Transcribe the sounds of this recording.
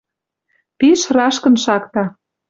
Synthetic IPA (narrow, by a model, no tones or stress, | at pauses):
piʃrɑʃkə̆nʃɑkt̪ɑ